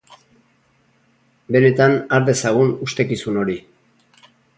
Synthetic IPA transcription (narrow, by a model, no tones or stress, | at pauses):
be̞ɾet̪anaɾðe̞saɣ̞unust̪e̞kisuno̞ɾi